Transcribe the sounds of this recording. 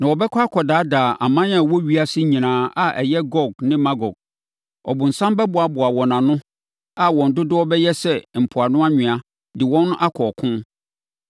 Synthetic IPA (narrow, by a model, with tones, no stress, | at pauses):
nã˨wɔ˨bɛ˦kʷʰa˦a˦kʰɔ˨daː˨˦daː˨ʔa̰˨mã˦n˦ã˨wɔ˦ɥi˦a˦sɪ˦ɲĩ˨nãː˨˦a˨ʔɛ̰˨jɛ˦ɡɔ˨ɡ̚nɪ̃˦mã˦ɡɔ˨ɡ̚ | ɔ̰˨bʊ˨n̩˨sã˦mbɛ˦bʊ˨a˨bʊ˨a˨wɔ̃˨nã˨nʊ̃˦ | a˦wɔ̃˨n̩˨dʊ˦dʊ˦ɔ˦bɛ˦jɛ˦sɛ˦m̩˨pʰʊ˨a˨nʊ̃˦a˦ɲᶣɪ̃˨a˨ | dɪ˨wɔ̃˦nʊ̃˦ʔa˦kʰɔː˨kʰʊ̃˦m